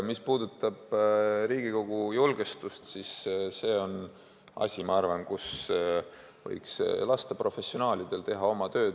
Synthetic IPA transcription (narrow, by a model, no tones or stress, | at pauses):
mispuːd̪ut̪ːˑɑb̥ɾiːɡ̥iko̞ɡ̥ujulɡ̥est̪ust̪sisse̞ːo̞n | ɑ̰sʲimɑɑrvɑnkus | vɤ̰jkslɑst̪epro̞fe̞sːio̞nɑːlid̪̥e̞lt̪e̞ɦɑo̞mɑt̪ø̞ː